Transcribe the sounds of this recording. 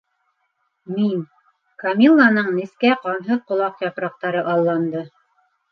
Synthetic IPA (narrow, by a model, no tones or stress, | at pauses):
min | kamʲilˠːanɤɴniskæqɑnɦɤqŏlˠɑqjɑpɾɑq̚t̪ɑɾɤʔɑlˠːɑnd̪ɤ